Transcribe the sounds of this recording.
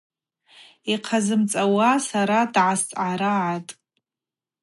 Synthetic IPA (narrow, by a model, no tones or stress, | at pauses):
iqʰazɨmt͡sʼawasaɾadʕast͡sʼʕaɾaʕatʼ